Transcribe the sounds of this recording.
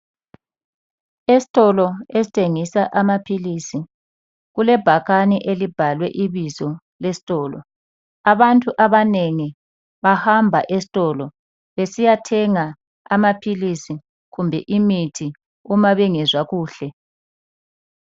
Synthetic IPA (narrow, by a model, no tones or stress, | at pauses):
esi̥tʼɔlɔesi̥tʰeŋisaʔamapʰilisi | ɣulɛb̥ʱaɣaniʔelib̥ʱalwɛ̰ʔiβizɔ | lesi̥tʼɔːlɔ̰ | aβantʼuʔaβaneŋi | βahambʱaʔesi̥tʼɔːlɔ | βesijatʰɛŋa | amapʰilisi | ɣumbʱɛ̰ʔimitʰi | umaβɛŋɛzwaɣuːɬɛ